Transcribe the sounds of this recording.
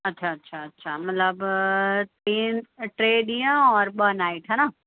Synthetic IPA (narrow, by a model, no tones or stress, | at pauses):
ɐtːʃʰaɐtːʃʰaɐtːʃʰamɐt̪ləbt̪iːnʈɾeːɖijãɔːɾbənaːiʈɦɛːna